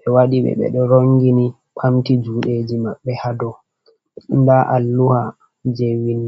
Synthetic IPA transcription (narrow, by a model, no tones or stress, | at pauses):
ɓɛwaɗiɓɛ̰ɓɛ̰ɗɔɾoŋɡini | ɓʰamtid͡ʒuːɗed͡ʒimaɓːɛhadɔ | ndaʔalːuha | d͡ʒewin